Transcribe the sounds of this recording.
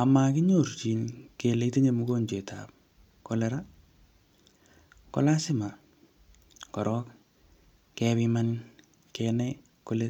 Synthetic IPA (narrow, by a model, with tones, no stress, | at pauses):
a˨makɪ˦ɲo˨ɾt͡ʃi˨nkele˨te˦ɲe˨mu˦ko˦ɲt͡ʃe˨tʰa̰p̚ | kɔlɛɾa | kɔ̰la˦sɪ˦ma˨ | kɔ˨ɾɔk | kɛβima˦n | kɛnɛ˦ | kole˦